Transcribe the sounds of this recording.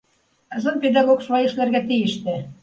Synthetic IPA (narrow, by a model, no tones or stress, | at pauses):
ɤ̆zɤ̆nped̪ɑɣokʃβɑjɤ̆ʃlærɣæt̪ijɘ̆ʃt̪ɘ̆